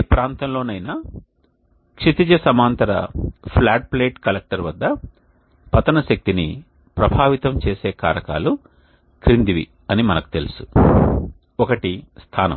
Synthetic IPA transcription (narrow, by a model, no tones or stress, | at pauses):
pɾaːnt̪ɐmlo̞ːnɐjnɐ | kʂit̪id͡ʒɐsɐmaːnt̪ɐɾɐ̰pʰlaːʈ̚ple̞ːʈkɐlek̚ʈɐɾʋɐd̪ːɐ | pɐt̪ɐnɐʃɐk̚t̪ini | pɾɐbʱaːʋit̪ɐmt͡ʃeːseːka̰ːɾɐka̰ːlu | kɾind̪iʋḭ | ɐnimɐnɐku̥t̪e̞̰lusu̥ | ɔkɐʈist̪ʰaːnɐ̰m